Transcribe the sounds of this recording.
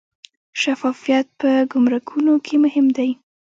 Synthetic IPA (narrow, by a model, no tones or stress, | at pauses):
ʃafɑfijat̪̚pəɡʊmɾakʰunokʰemʊhɪmd̪aj